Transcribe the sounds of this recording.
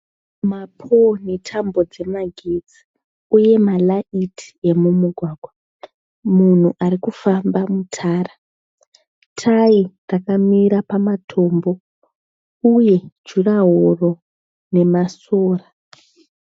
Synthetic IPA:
mapʰonetʰambo̞d͡ze̞maɡʱed͡zi̥ | uje̞malaitʰi̥e̞mumuɡʱwaːɡʱwa | mun̤uʔaɾikufambamutʰaːra | tʰairakamiɾapamatʰo̞ːmbo̞ | uje̞̥d͡ʒuraɦoro̞ | ne̞masoːra

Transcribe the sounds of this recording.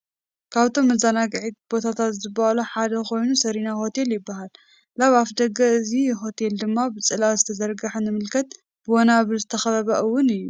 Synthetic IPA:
kʰaβt̪ʰo̞mːɐzanaɡʕit̪̚b̥o̞t̪ʰat̪ʰat̪zɨbːahaluħad̪ɐkʰo̞jnusɐɾinaho̞t̪ʰe̞ljɪbːaɦalː | aβafd̪ɐɡɐɨziɦo̞t̪ʰe̞ld̪ɨmːabɨt͡sʼɨlawzɨt̪ʰɐzɐɾɡɐħunɨmɨlkʰɐt̪ | b̥ɨwɔnaβɨɾzɨt̪ʰɐxɐβɐβɐʔɨwːʊnɨjːu

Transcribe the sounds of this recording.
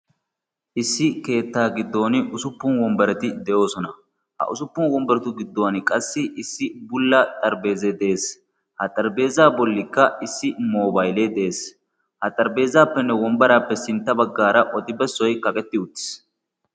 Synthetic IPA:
ʔɪsːɪke̞ːt̪ːaːɡɪd̪ːo̞ːnʊsʊpːʊnwɔmbɐɾɛt̪ɪd̪ɛjo̞ːsɔnɐ | hɐ̰ʔʊsʊpːʊnwɔmbɐɾɛt̪ʊɡɪd̪ːowɐnkʼɐsːɪɪsːɪbʊlːɐt̪ʼɐɾbe̞ːzɛd̪ɛʔe̞ːs | hɐt̪ʼɐɾbe̞ːzaːbɔlːɪkːɐɪsːɪmoːbɐjlɛd̪ɛʔeːs | hɐt̪ʼɐɾbe̞ːzaːpːɛnːɛwɔmbɐɾaːpːɛsɪnt̪ːɐbɐɡːaːɾɐʔɔt̪ʼɪbɛsːɔjkɐkʼɛt̪ːɪʊt̪ːɪ̥s

